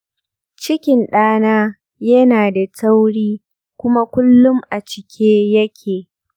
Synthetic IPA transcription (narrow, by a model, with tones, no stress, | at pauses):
t͡ʃɪ˦kʲɪ˨nɗaː˦naː˦ | jɐ˦naː˨da˨tɐ˦wɽiː˦ | kʷʊ˦ma˦kʷʊ˦lːʊ˦mʔa˨t͡ʃɪ˨kʲʰeː˦jɐ˦kʲʰeː˨